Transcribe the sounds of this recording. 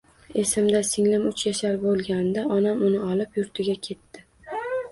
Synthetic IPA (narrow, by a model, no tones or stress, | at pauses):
esɪmd̪asɪŋlɪmʊt͡ʃjaʃaɾbolˠɡʲanɪd̪aʔɒnamʊnɪɒlˠɪpjʊɾt̪ʰɪɡʲakʲʰe̞t̪ːɪ